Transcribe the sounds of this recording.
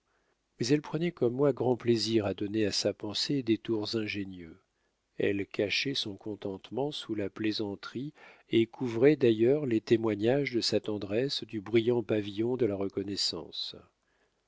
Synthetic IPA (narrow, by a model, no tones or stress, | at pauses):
mɛzɛlpχənɛkɔmːwaɡʁɑ̃pleziʁad̪ɔneasapɑ̃sed̪et̪uʁzɛ̃ʒenjø | ɛ̰lkʰaʃɛsɔ̃kɔ̃t̪ɑ̃t̪mɑ̃sulaplezɑ̃t̪χi | ekʰuvʁɛd̪ajœʁlet̪emwaɲaʒd̪əsat̪ɑ̃d̪ʁɛsd̪ybʁijɑ̃pavijɔ̃d̪əlaʁəkɔnɛsɑ̰̃s